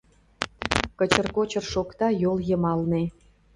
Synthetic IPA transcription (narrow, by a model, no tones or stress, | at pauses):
kə̆t͡ɕə̆rkot͡ɕə̆rʃokt̪ɑjolˠjɤ̆mɑlnĕ